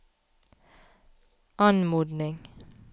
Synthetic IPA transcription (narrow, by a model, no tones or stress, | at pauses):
ʔɑnmuːd̪nɪŋ